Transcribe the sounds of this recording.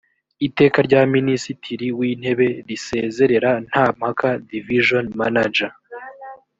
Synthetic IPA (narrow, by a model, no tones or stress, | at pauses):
ite̞ːkaɾɟaːminisitʰiɾiwiːn̥he̞βe̞ɾise̞ːze̞ɾe̞ɾan̥haːm̥hakadiviʒonmanad͡ʒa